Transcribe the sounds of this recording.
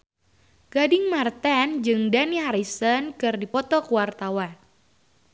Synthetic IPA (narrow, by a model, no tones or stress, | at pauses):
ɡ̥adɪŋmart̪and͡ʒɨŋdanihaɾisənkɨrdipɔt̪ɔkuwart̪awan